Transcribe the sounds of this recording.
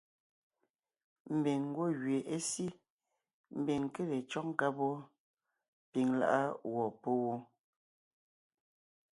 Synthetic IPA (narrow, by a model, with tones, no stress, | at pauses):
m̩˨bi˨ŋ̩˦ɡwo˦˨ɣɥe˨ʔe˦si˦ | m̩˦˨bi˨ŋ˨ke˦le˨t͡ʃɔ˦ŋ˦ka˦bɔ˦ | pi˨ŋla̰˦ʔa˦wɔ˨po˦wo˦